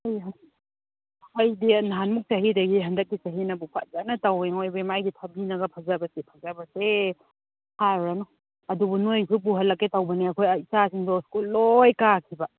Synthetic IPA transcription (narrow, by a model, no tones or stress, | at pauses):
ajɦ | ɐjdinaɦanmuk̚t͡ʃaɦidɐɡiɦɐndɐk̚ːisaɦinɐbupʰa̰t̚zanɐtaweŋojbemajɡitʰabinɐɡɐpʰazabɐsepʰazabɐse | haɾɾanɔ | ɐdubunojsup̬uɦɐlːɐkːetawbɐniɐkʰojisasiŋdɔskulːojkakʰiba